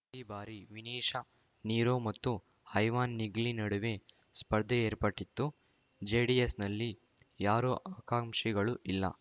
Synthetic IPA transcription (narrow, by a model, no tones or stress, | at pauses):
iːbaːɾiʋiniːʂɐ | niːɾoːmɐt̪ːu | hɐjʋaːnːiɡlinɐɽuʋe | spɐɾd̪ʱːeeːɾpɐʈːit̪ːu | d͡ʒeːɖijesnɐlːi | jaːɾoːʔaːkaːmʂiɡɐɭuʔilːɐ̰